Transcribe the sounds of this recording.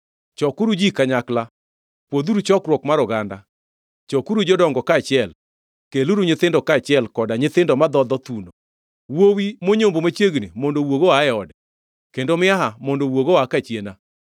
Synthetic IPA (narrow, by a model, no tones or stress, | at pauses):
t͡ʃɔkuɾud͡ʒikaɲakla | pwod̪uɾut͡ʃɔkɾwɔkmaɾɔɡanda̰ | t͡ʃɔkuɾud͡ʒɔdɔŋɡɔkat͡ʃɪɛl | keluɾuɲɪt̪ɪndɔkat͡ʃɪɛlkɔdaɲɪt̪ɪndɔmad̪ɔd̪ɔt̪uno | wowimoɲombomat͡ʃjeɡnimɔndowoɡoaɛɔd | kendomɪaɦamɔndowoɡoakat͡ʃena